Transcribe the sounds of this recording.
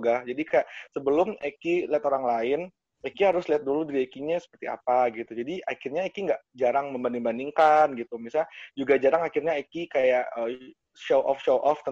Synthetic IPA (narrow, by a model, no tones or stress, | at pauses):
ɡad͡ʒadikajaʔsəbəlʊmekiliat̪oɾaŋlaɪn | ekiɦaɾʊsliɦat̪̚duludaɾiekiɲasə̥pərt̪ia̰paɡit̪ud͡ʒadiakɪrɲaekiŋɡaʔd͡ʒaɾaŋməmbandiŋbandiŋkanɡit̪umisad͡ʒuɡad͡ʒaɾaŋakɪrɲaekikajaʔə | ʃowʔɔfʃowʔɔft̪ə